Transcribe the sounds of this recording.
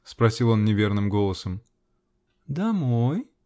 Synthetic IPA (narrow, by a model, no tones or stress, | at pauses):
spɾɐsʲilˠo̞nnʲɪvʲe̞rnɨmɡo̞lˠəsəm | d̪ɐmoj